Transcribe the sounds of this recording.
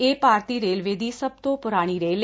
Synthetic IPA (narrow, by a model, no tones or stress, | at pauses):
eːpaːɾt̪iːɾeːlʋeːd̪iːsəb̚t̪õːpʊɾaːɽ̃iːɾeːl